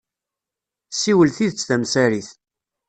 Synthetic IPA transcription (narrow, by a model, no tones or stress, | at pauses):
sːiwəlθiðət͡sːθæmsæɾiθ